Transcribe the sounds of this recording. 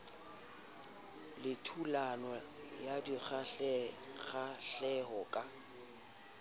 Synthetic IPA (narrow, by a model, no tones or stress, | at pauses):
lɪtʰulanɔ | jadiɣa | ɣaɬɛɦɔkʼa